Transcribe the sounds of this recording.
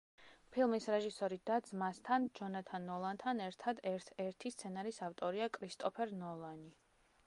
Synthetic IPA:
pʰilˠmisɾɛʒisɔɾid̪̥ad̪zmast̪ʰand͡ʒɔnat̪ʰanːɔlˠant̪ʰanɛɾt̪ʰad̪ɛɾt̪ʰɛɾt̪ʰist̪sʰɛnaɾisaft̪ʼɔɾiakʼɾist̪ʼɔpʰɛɾnɔlˠani

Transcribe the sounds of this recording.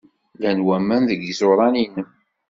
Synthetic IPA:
lænwæmːænðəɡizoɾˤɑninəm

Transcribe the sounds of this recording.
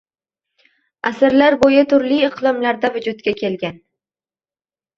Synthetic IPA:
asaɾlaɾbojat̪ʰʊɾliɪqlˠɒmlaɾd̪avʊd͡ʒʊt̪kʲakʲʰe̞lɡʲan

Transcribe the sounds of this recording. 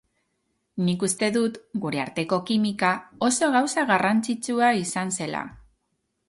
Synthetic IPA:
nikust̪e̞ðut̪ɡuɾe̞aɾt̪e̞ko̞kimikao̞so̞ɣawsaɣarant͡sit͡ʃuaisanse̞la̰

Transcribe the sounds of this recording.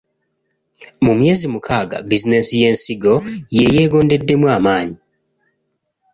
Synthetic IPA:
mumje̞ːzimukʰaːɡa̰bizine̞sije̞ːnsiɡo̞je̞je̞ːɡo̞ːnde̞dːe̞mwaːmaːɲi

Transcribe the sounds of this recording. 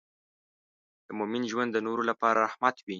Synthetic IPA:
d̪̥əmomɪnʒwand̪ːənoɾolapɑɾaahmat̪wi

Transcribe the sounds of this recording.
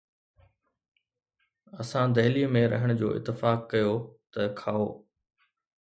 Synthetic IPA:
ɐsãd̪ɐɦlimẽɾɐ̰ɦɪɽ̃d͡ʑo̰ːʔɪ̰t̪ːɪfaːkːɐjoːt̪ɐkʰaːoː

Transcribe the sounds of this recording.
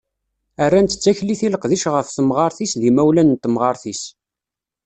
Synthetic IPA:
ərːænt̪ə̥t͡sːæçliθiləqðiʃʁəfθəmʁɑɾˤθisðimæwlænnt̪ːmʁɑɾˤθis

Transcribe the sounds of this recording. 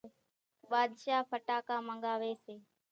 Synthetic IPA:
ɓaːd̪ʃaːpʰəʈaːkaːməŋɡaːʋeːseː

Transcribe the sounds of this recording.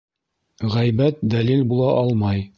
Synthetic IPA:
ʁæjbæt̪̚d̪ælilbulˠɑʔɑlˠmɑj

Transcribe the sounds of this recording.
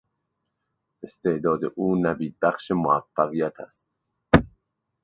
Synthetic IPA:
ʔest̪e̞ʔd̪ɒːd̪ḛʔuːnæbiːd̪̚bæχʃemoæfːæɣijæt̪ʰæ̰st̪̚

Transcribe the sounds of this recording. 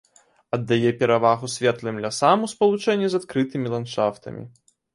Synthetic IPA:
ɐd̪ːajɛpʲɛɾavaɣusʲvʲɛt̪lˠɨmlʲasamuspɐlˠut͡ʂɛnʲːizat̪kɾɨt̪ɨmʲilˠant̪ʂaft̪ɐ̰mʲḭ

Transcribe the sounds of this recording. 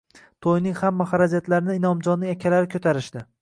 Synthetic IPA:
t̪ʰojnɪŋhamːaχaɾad͡ʒat̪laɾɪnɪːnɒmd͡ʒɒnːɪŋakʲʰalaɾɪkʲʰɵt̪ʰaɾɪʃd̪ɪ

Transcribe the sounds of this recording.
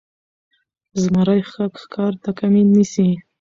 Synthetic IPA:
zmaɾajxakxkɑɾt̪akaminːisi

